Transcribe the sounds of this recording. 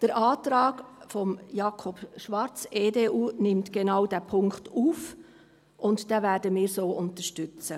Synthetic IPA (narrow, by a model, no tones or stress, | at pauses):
d̥əɾʔɑːtɾɑːɡ̥fɔmjɑkʰɔpʃʋɑɾt͡seːdeːʔuːnɪmtɡ̥enaʊd̥æːpʰʊŋktuːf | ʔʊntd̥ɛːvæːɾdəmɪːɾsoːʔʊntəʃtʏt͡sə